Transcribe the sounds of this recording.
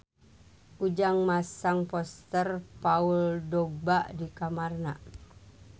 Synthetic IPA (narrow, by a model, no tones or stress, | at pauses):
ʔud͡ʒaŋmasaŋpɔst̪ərpauldɔɡ̚baʔdikamarna